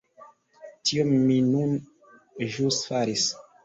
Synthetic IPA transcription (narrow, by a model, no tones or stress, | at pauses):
tiomːinun | ʒusfaɾis